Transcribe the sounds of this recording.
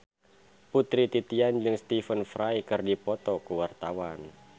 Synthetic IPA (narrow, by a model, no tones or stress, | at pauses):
put̪ɾit̪it̪iand͡ʒɨŋst̪ifənfɾajkɨrdipɔt̪ɔkuwart̪awan